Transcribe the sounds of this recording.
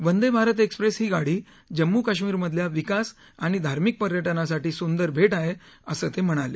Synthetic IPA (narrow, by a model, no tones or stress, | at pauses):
ʋənd̪ebʱaɾət̪ekspɾesɦiːɡaɽiː | d͡ʑəmːukaɕ̬miːɾməd̪ʱljaʋikas | aɽ̃id̪ʱaɾmik̚pəɾjəʈənasaʈiːsund̪əɾbʱeʈaɦeəsəːt̪em̤əɽ̃ale